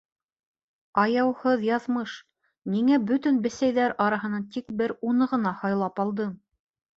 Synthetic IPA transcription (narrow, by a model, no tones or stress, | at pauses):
ɑjɑwhɤðjɑðmɤʃ | niŋæbɵ̆t̪ɵnbɘ̆sæjðæɾɑɾɑɦɤ̆nɑnt̪ik̚bɘɾunɤʁɤ̆nɑhɑjlˠɑpɑlˠd̪ɤm